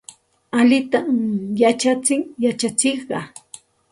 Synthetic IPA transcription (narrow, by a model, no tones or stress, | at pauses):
aʎɪt̪amjat͡ʃat͡sɪŋjat͡ʃat͡sɪχɢɑ